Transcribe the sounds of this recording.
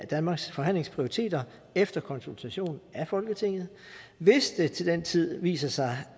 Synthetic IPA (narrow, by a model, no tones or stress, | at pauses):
æd̥ænmɑ̈ɡ̥sfɒ̽ɦæn̰le̝ŋspʰʁio̝ʁit͡sʰe̝̰ːd̥ɐ | efd̥ɐkʰɒ̽nsult͡sʰæɕo̝̰ːn̩æfɒ̽lɡ̥ət͡sʰe̝ŋ̰ð̞̩ˠ | ʋe̝sd̥e̝t͡sʰe̝ld̥en̰t͡sʰið̞̰ˠʋḭːsɐsɑ̈ɪ